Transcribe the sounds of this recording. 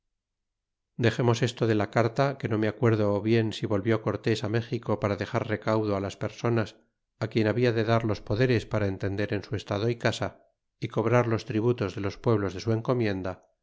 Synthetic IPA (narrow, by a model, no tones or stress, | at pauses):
d̪e̞xe̞mo̞se̞st̪oðe̞lakaɾt̪ake̞no̞meakwe̞ɾð̞oβje̞nsiβo̞lβjo̞ko̞ɾt̪e̞same̞xiko̞paɾaðe̞xaɾre̞kawðoalaspe̞ɾso̞nas | akje̞naβiaðe̞ðaɾlo̞spo̞ðe̞ɾe̞spaɾaent̪e̞nd̪e̞ɾe̞nsue̞st̪aðo̞ikasa | iko̞βɾaɾlo̞st̪ɾiβut̪o̞zðe̞lo̞spwe̞βlo̞zðe̞sue̞ŋko̞mje̞nd̪a